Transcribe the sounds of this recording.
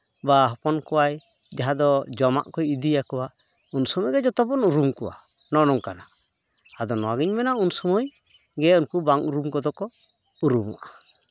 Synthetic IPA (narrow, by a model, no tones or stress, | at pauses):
baɦɔpɔnkɔwaj | d͡ʒaɦad̪ɔd͡ʒɔma̰ʔkɔjid̪ijakɔwa | unsɔmɔjɡɛd͡ʒɔt̪ɔbɔnuɾumkɔwa̰ | nɔnɔŋkana | ad̪ɔnɔwaɡiɲmɛnaunsɔmɔj | ɡɛunkubaŋuɾumkɔd̪ɔkɔ | uɾumɔ̰ʔa